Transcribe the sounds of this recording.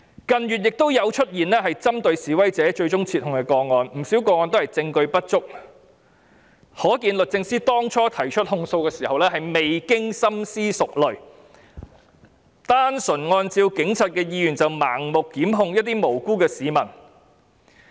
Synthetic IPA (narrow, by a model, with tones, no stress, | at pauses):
kɐ˨˧njyː˨t̚jɪ˨k̚t̪o˥wjɐ˨˧wt͡ʃʰɵ˥t̚jiː˨nlɛː˥ɦɐ˨jt͡sɐ˥mt̪ɵ˧ɥsiː˨˩wɐ˥jt͡sɛː˨˥t͡ʃɵ˧ɥt͡sʊ˥ŋt͡sʰiː˧t̚hʊ˨˩ŋkɛː˧kɔː˧ŋɔː˧nm̩˨˩siː˨˥wkɔː˧ŋɔː˧nt̪whɐ˨jt͡sɪ˧ŋkɵ˧ɥpɐ˥t̚t͡sʊ˥k̚ | hɔː˨˥kiː˧nlɵ˨t̚t͡sɪ˧ŋsiː˥t̪ɔː˥ŋt͡ʃʰɔː˥t̪ʰɐ˨˩jt͡ʃʰɵ˥t̚hʊ˧ŋso˧wkɛː˧siː˨˩hɐ˨wlɛː˥hɐ˨jme˨jkɪ˥ŋsɐ˥msiː˥sʊ˨k̚lɵ˨˩ɥ | t̪aː˥nsɵ˨˩nŋɔː˧nt͡siː˧wkɪ˨˥ŋt͡sʰɐ˨t̚kɛː˧jiː˧jyː˨˩nt͡sɐ˨wma̰ː˨˩ŋmʊ˨kːiː˨˥mɦʊ˧ŋjɐ˥t̚t̪̬iː˥mo˨˩wkuː˥kɛː˧siː˨˧mɐ˨˩n